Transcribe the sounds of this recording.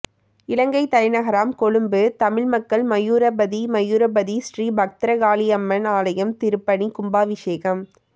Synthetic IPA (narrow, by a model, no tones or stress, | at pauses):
ɪlɐŋɡɐɪt̪ɐlɪnɐɣɐɾaːmkɔɻɯmbɯt̪ɐmɪɻmɐkːɐɭmɐjuːɾɐbɐðimɐjuːɾɐbɐðisɾiːbʱɐk̚t̪ɪɾɐɡaːliɐmːɐnaːlɐjɐmt̪ɪɾɯpːɐɳikʊmbaːʋɪʂeːɣɐm